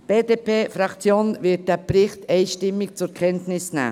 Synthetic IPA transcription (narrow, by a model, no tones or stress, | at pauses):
b̥eːdepʰeːfɾɑkt͡sjoːnʋɪt̚d̥æpɾɪχtɛɪʃtɪmːɪk̚t͡sʊɾkʰɛntnɪsnæ̰ː